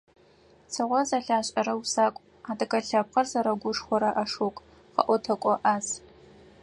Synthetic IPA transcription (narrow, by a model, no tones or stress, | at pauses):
sʰɨʁʷɔzaɬaːɕʼɐɾɐwsaːkʷʼ | aːdʼɐkʼɐɬɐp̚qɐrzɐɾɐɡʷʊʂχʷɔɾɐʔɐʂokʷʼ | qɐ̰ʔʷɔtʰɐkʷʼɔʔaːz